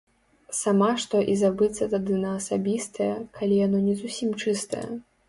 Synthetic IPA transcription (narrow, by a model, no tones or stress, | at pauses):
samaʂt̪ɔʔizabɨt̪sːɐt̪ad̪ɨnɐːsabʲist̪ɐjɐkʰalʲijanɔnʲɛzusʲimt͡ʂɨst̪ɐ̰jɐ̰